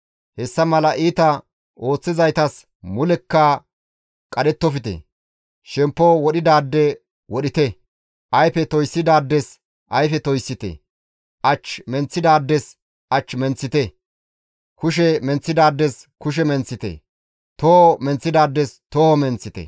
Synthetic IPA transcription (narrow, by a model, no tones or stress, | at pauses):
hɛsːɐmɐlɐʔiːt̪ɐ | ʔo̞ːt͡sːɪzɐjt̪ɐs | mʊlɛkːɐ | kʼɐɗɛt̪ːɔfɪt̪ɛ̰ | ʃɛmpːowɔɗɪd̪aːd̪ːɛ | wɔɗɪt̪ɛ | ʔɐjfɛt̪ɔjsːɪd̪aːd̪ːɛs | ʔɐjfɛt̪ɔjsːɪt̪ɛ̰ | ʔɐt͡ʃːmɛnt͡sːɪd̪aːd̪ːɛs | ʔɐt͡ʃːmɛnt͡sːɪt̪ɛ | kʊʃ̬ɛmɛnt͡sːɪd̪aːd̪ːɛs | kʊʃ̬ɛmɛnt͡sːɪt̪ɛ̰ | t̪oomɛnt͡sːɪd̪aːd̪ːɛst̪ohomɛnt͡sːɪt̪ɛ̰